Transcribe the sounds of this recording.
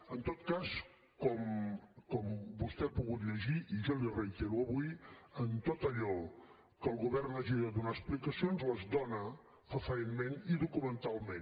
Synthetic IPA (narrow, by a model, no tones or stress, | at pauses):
ənt̪ot̪kas | kɔmkɔmbust̪ɛapuɣut̪ʎəʒiʔiʒɔljirəjt̪eɾuəβuiənt̪ot̪əʎɔ | kəlˠɣuβɛrnaʒiðəðunaəsplikəsionzləzd̪ɔnə | əfəɾenmeniðukumənt̪alˠmen